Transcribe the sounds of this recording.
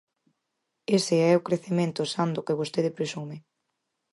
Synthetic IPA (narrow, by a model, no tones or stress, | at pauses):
eseɛokɾeθemẽnt̪ʊsand̪ʊkeβost̪eðɪpɾesumɪ